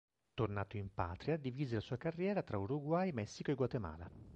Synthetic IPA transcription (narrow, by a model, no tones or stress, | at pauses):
t̪ornaːt̪oimpa̰ːt̪ɾijad̪iviːzelasuːakarːjɛːɾat̪ɾauɾuɡwajmɛsːikoeɡwat̪ema̰ːla